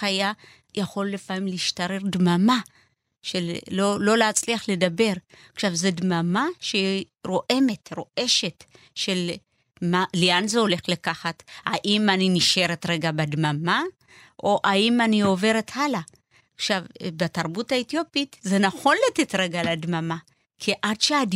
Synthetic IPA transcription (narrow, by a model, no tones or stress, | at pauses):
aja | jaχo̞lːefamimleiʃtaʁe̞ʁdmama | ʃelːolo̞leat͡sliaχle̞dabe̞ʁaχʃavzedmamaʃei | ɾo̞ʔe̞me̞tɾo̞ʔe̞ʃe̞tʃe̞l | maleanzeo̞le̞χlekaχatha̰ʔimaniniʃe̞ʁetʁe̞ɡabedmama | ʔoʔaimanio̞ve̞ʁethala | χʃavbetaʁbutaet̪jo̞pitzenaχo̞nlatetʁeɡaladmama | kʰiʔadʃead